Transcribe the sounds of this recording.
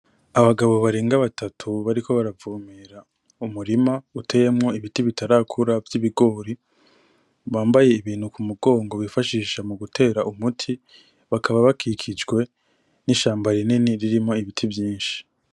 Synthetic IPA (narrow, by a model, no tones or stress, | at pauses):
aβaɡaβo̞βaɾeːŋɡaβatʰatʰuβaɾikʰo̞βaɾavuːmiɾa | umuɾimautʰe̞je̞mŋo̞iβitiβitʰaɾaːkʰuɾavjiβiɡo̞ːɾi | βaːmbaje̞iβiːn̥hukumuɡo̞ːŋɡo̞βifaʃiːʃamuɡutʰe̞ːɾaʔumutʰi | βakʰaβaβakʰikʰid͡ʒɡwe̞ | niʃaːmbaɾininiɾiɾimŋo̞iβitʰivjiːnʃi̥